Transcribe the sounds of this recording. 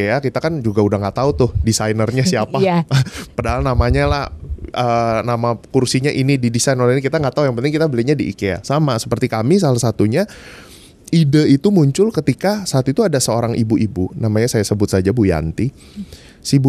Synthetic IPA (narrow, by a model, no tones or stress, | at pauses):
eakit̪akand͡ʒuɡaudahŋɡaʔt̪aut̪ʊhdisajnərɲasiapa | padaɦalnamaɲalahʔəːnamakursiɲaʔinididisajnəlinikit̪aŋɡaʔt̪aujaŋpənɪŋkit̪abəliɲadiʔḭkea̰samasə̥pərt̪ikamis̬alahsat̪uɲa | idəit̪umuɲt͡ʃʊlkət̪ikasaat̪it̪uadasəoɾaŋibuʔibunamaɲasajasəbʊt̪̚sad͡ʒabuja̰nt̪i | siibu